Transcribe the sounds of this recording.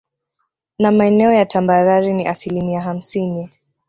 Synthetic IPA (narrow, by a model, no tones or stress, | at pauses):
namaɛnɛɔjatʰambaɾaɾiniʔasilimiaɦam̩sini